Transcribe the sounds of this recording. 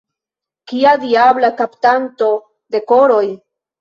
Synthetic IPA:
kiad̪iablakapt̪ant̪o̞ | d̪e̞koɾoj

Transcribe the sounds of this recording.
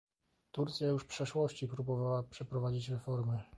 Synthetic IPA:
t̪uɾt̪sʲjajuʂfpʂɛʂwɔɕt͡ɕipɾubɔvawapʂɛpɾɔvad͡ʑit͡ɕɾɛfɔɾmɘ

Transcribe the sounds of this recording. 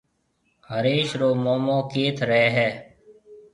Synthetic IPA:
həɾeːʃɾoːmoːmõːkeːt̪ʰɾɛːɦɛː

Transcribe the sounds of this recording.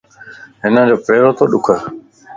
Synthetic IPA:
ɦɪnə̃d͡ʑoːpɾeːɾoːt̪oːɗʊkʰə

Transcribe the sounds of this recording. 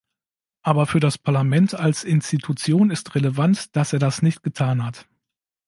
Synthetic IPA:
ʔaːbɐfyːɐɾaspʰaɐlamɛntalsɪnstitʰut͡sjoːnɪstʁeləvantd̥aseːɐdasnɪçt̚ɡ̥ətʰaːnɦat

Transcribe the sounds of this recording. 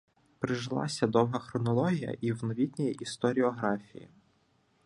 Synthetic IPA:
pɾɪʒlˠɑ̰sʲɐd̪ɔwɦɐxɾɔnɔlˠɔɦʲijɐ̰ʔiwnɔʋʲit̪ʲnʲijiʔist̪ɔɾʲɪɔɦɾɑfʲijḭ

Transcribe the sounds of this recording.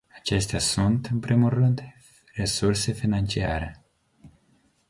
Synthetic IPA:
at͡ʃe̞st̪easunt̪ɨnpɾimulːɨnd̪ | re̞surse̞finant͡ʃia̰ɾe̞̰

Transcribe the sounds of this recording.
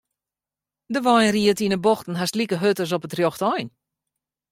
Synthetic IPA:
dəʋɔjnriətinəbɔxtn̩ɦastlikəɦøtəs̬ɔpətrjoxtɔjn

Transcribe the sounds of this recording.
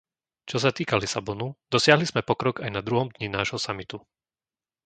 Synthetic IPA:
t͡ʃɔs̬at̪iːkalisabɔnud̪̥ɔsɪaɦlizmɛpɔkɾɔɡajnad̪ɾuɦɔmd̪ɲinaːʒɦɔsamit̪u

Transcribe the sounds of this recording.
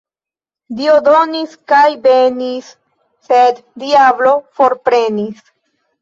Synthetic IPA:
diod̪o̞niskajbenisː | ed̪diablo̞fo̞ɾpɾe̞nis

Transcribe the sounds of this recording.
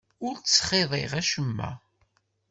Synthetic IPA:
ʊɾsχeðˤeʁæʃəmːæ̰

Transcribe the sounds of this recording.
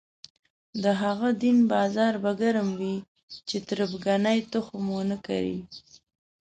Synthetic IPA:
d̪əɦaɣad̪inbɑzɑɾbaɡaɾəmwi | t͡ʃet̪ɾəbɡanajt̪əxomonəka̰ɾḭ

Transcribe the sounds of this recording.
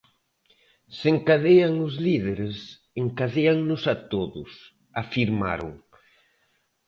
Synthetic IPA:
seŋkaðeaŋʊzliðeɾes | eŋkaðeaŋnʊsat̪oðʊ̰s | afiɾma̰ɾʊ̰ŋ

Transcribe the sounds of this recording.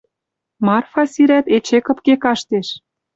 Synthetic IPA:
mɑrfɑsiɾæt̪et͡ɕekɤ̆pkekɑʃt̪eʃ

